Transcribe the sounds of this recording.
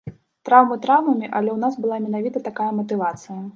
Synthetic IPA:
t̪ɾawmɨt̪ɾawmɐmʲiʔɐlʲɛwnasbɨlˠamʲɛnavʲit̪ɐt̪akajɐmɐt̪ɨvat̪sɨjɐ

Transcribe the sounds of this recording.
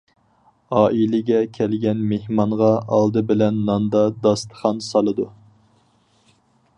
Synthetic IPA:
ɑːʔilɪɡʲɛkʲʰælɡʲɛnmehmɑɴʁɑɑlˠd̪ɨbɪlɛnːɑnd̪ɑd̪ɑst̪ə̥χɑnsɑlˠɨd̪u

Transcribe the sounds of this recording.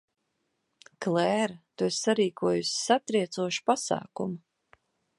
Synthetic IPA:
klɛːɾt̪uesːaɾiːkuɔjusʲsat̪ɾiɛt̪suɔʃi̥pasa̰ːkumu

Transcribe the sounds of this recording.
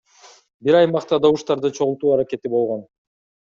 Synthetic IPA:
biɾɑjmɑqt̪ɑd̪owuʃt̪ɑɾd̪ɯt͡ʃʰo̞ʁulˠt̪uːɑɾake̞t̪ibo̞lˠʁo̞n

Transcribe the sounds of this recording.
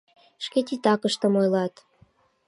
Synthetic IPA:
ʃket̪it̪ɑkəʃt̪ə̆mojlɑt̪

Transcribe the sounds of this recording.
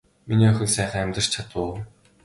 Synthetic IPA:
miniːœxʲɪ̆ɮsæːχaæmʲt̪ə̆r̥t͡ɕt͡ɕʰat̪ʊː

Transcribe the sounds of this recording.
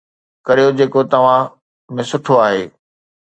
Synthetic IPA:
kɐɾijod͡ʑeːkot̪ɐʋ̤ã | mẽsʊʈʰoaːɦeː

